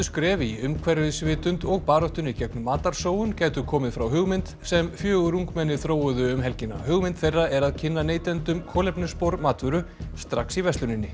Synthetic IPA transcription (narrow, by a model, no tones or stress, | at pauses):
ʏskɾɛːvɪiʏmkʰvɛɾɪðsvɪːt̪ʏnt̪ɔɣpaːɾɔht̪ʏnicɛknʏmːaːt̪aɾ̥soːwʏncaːjt̪ʏkʰɔːmɪðfɾawɦʏɣmɪnt̪sɛmfjœːɣʏɾuŋkmɛnːɪθɾoːwʏðʏʏmɦɛlcɪnːa̰ɦʏɣmɪnt̪fejrːaɛɾaðcʰɪnːaneːjt̪ɛnt̪ʏmkʰɔːlɛpnʏspoɾmaːt̪vʏɾʏst̪ɾaksivɛst̪lʏnɪnːɪ